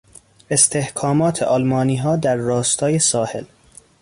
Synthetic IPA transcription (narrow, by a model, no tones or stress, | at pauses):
e̞st̪ʰehkʰɒːmɒːt̪ʰeʔɒːlmɒːniːɦɒːd̪æɾːɒːst̪ʰɒːjesɒːhe̞̰l